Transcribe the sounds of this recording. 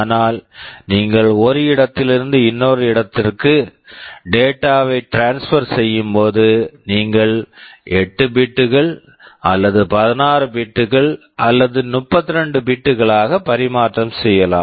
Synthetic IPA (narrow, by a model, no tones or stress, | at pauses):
anaːlniːŋɡɐɭɔɾɯɪɽɐt̪ːɪlɪɾɯnd̪ɯɪnːoːɾɯɪɽɐt̪ːɪrkɯ | ɖeːʈːaːʋɐɪʈɾaːnsfɐɾsɛjːɯmpoːðɯniːŋɡɐɭɛʈːɯbiʈːɯɣɐɭ | ɐlːɐðɯpɐðɪnaːɾɯbiʈːɯɣɐɭ | ʔɐlːɐðɯnʊpːɐt̪ːɪɾɛɳɖɯbiːʈːɯɣɐɭaːɣɐpɐɾɪmaːʈrɐmsɛjːɐla̰ːm